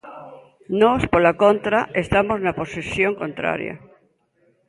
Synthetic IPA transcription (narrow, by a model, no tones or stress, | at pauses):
nɔspolakont̪ɾaʔest̪amoznaposesjoŋkõnt̪ɾa̰ɾja̰